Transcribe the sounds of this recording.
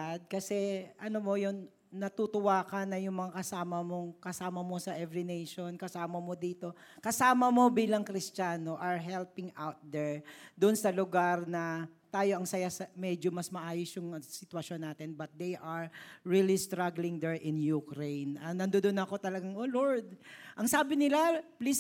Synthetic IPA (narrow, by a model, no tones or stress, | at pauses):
d̪̚kɐsɛʔɐnomo̞jʊnː | ɐt̪ut̪ʊwaːkɐnɐjʊŋmɐŋakɐsaːmɐmo̞ŋkɐsaːmɐmo̞sɐʔɛvɹɪnejʃonkɐsaːmɐmo̞d̪iːt̪o̞kɐsaːmɐmo̞biːlɐŋkɾɪst͡ʃaːnoʔɐɹɦɛlpɪŋʔawt̪̚d̪ɛɹd̪ʊnsɐlʊɡaɾnɐt̪aːjo̞ʔɐŋsɐjasɐmɛd͡ʒomɐsmɐʔaːjosjʊŋsɪt̪wɐʃo̞nːaːt̪ɪnbɐt̪̚d̪ejʔɐɹɹiːlist̪ɾaɡlɪŋd̪ɛɹʔɪnjukɾejnʔɐnɐnd̪od̪onɐko̞t̪ɐlɐɡaŋʔoːloɹd̪̚ʔɐŋsaːbɪnɪlaplis